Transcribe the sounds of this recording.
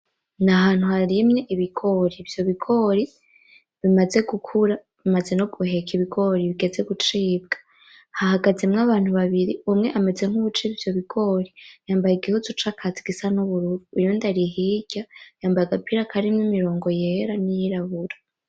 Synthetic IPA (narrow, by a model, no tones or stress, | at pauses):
naɦaːn̥huhaɾimɲeʔiβiɡo̞ɾivjo̞βiɡo̞ɾi | βimaze̞ɡukʰuɾa | βimaze̞no̞ɡ̥uhe̞kʰiβiɡo̞ɾiβiɡe̞ze̞ɡut͡ʃiːb̚ɡ̥ḁ | hahaɡazemŋaβaːn̥huβaβiɾiumŋe̞ʔame̞d͡ze̞ŋ̥uβut͡ʃiβivjo̞βiɡo̞ɾijaːmbajiɡihuzut͡ʃakʰaziɡisanuβuɾuɾuːjondaɾiɦiɟ̥ajaːmbajeɡapʰiɾakʰaɾimɲimiɾo̞ːŋɡo̞jeɾanijiɾaβuɾḁ